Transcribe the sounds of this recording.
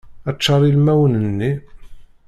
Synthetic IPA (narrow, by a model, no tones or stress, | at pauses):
æt͡ʃːɑɾˤilmæwənənːi